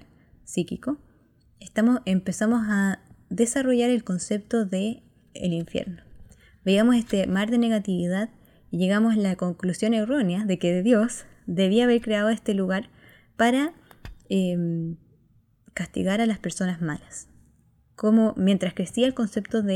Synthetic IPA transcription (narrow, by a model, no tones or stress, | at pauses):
sikiko | est̪amoempe̞samo̞saðe̞saro̞ʝaɾe̞lko̞nse̞p̚t̪oðe̞̰ː | liɱfjḛɾno | beiamosest̪emaɾðe̞ne̞ɣat̪iβiðað | iʝe̞ɣamoslako̞ŋklusjo̞nero̞njaðe̞keðeðjo̞s | d̪e̞βiaːβeɾkɾeaðoe̞st̪e̞luɣaɾ | paɾa | em | kast̪ḭɣaɾalaspe̞ɾso̞nazmalas | komo̞mje̞nt̪ɾaskɾe̞siaelko̞nse̞pt̪oðe